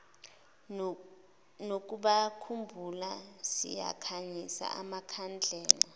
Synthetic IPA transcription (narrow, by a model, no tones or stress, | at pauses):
nok̬ʼuɓakʰumbʱulasḭja̰kʰaɲisa̰ʔamakʰand͡ɮʱɛːla